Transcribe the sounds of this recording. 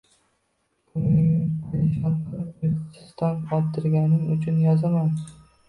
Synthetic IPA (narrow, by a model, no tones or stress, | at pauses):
b̥ʊnɪmʃɒnɪt̪ʰɪ̥st̪anqʰɒt̪ʰːɪɾɡʲanɪmʊt͡ʃʰʊnjɒzaman